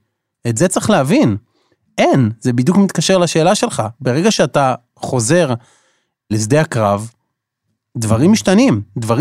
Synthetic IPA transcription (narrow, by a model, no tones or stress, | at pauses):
etze̞t͡seχleɦavin | ʔenzebid̪jukmit̪kaʃe̞ʁlaʃe̞ːlaʃe̞lχabe̞ʁe̞ɡaʃeat̪a | χo̞ze̞ʁ | lezd̪ejhakʁav | dvaʁimːiʃt̪animdvaʁ